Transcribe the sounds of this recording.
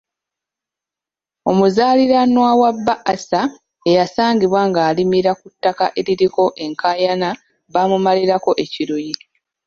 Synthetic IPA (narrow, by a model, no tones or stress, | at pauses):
o̞muzaːliɾanwawabːaʔasa | e̞jasaːɲɟiβwaŋɡaːlimiɾakutːaka̰ʔe̞ɾiɾiko̞ʔe̞ŋkʰaːjana | βamumaliɾako̞ʔe̞ciɾuji